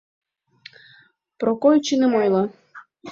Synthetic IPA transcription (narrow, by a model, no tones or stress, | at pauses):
pɾokojt͡ɕinəmojlɑ